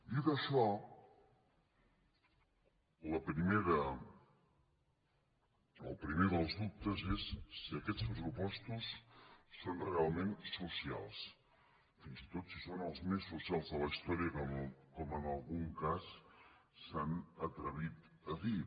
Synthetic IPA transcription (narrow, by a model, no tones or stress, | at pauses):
iðəʃɔ | ləpɾimeɾə | əlˠpɾimeðəlˠzðup̚t̪əzesːiəkɛt͡spɾəsupɔst̪usː | onrealˠmensusia̰lˠs | finzit̪ot̪sisonəlˠzmesːusialˠzðələist̪ɔɾiəkɔmkɔmənəlˠɣuŋkasː | anət̪ɾəβ̞it̪ | əði